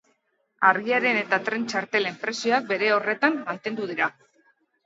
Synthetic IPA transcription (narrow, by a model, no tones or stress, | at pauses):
aɾɣiaɾe̞ne̞t̪at̪ɾe̞nt͡ʃaɾt̪e̞le̞mpɾe̞sioak̚be̞ɾe̞o̞re̞t̪amːant̪e̞nd̪uð̞iɾa